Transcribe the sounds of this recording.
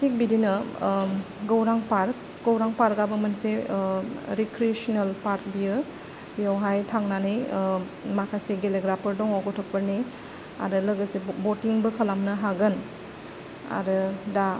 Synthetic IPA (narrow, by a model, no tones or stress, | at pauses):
tik̚bidinɐ | ɡɐwɾaŋpaɾk | ɡɐwɾaŋpaɾɡabɐmɐnse | ɾikɾiesɔnelpaɾk̚bijɯ | bijawɦajtʰaŋnanij | makʰajseɡeleɡɾapʰɐɾdɔŋɔɡɔtʰɔk̚pɐɾni | a̰ɾɯlɐɡɐsebotiŋbɯkʰɐlamnɐɦaɡɯn | a̰ɾɯda